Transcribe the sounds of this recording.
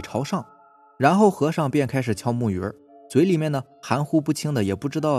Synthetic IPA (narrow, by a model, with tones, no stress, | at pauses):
ʈ͡ʂʰɑ˧˥ʊʂɑ˥˩ŋ | ɻa˧˥nxo˥˩ʊxɤ˧˥ʂɑ˥˧ŋpjɛ˥˩nkʰa˥ɪʂ̬ɻ̩˨˩t͡ɕʰjɑ˥ʊmu˥˩ɥɛ̰˧˥ | swe˧˥ɪli˨˩mjɛ˥˩nd̪ə˩xa˧˥nxu˥pu˥˩t͡ɕʰi˥ŋd̪ə˨jɛ˨˩pu˥˩ʈ͡ʂɻ̩˥t̪ɑ˥˩ʊ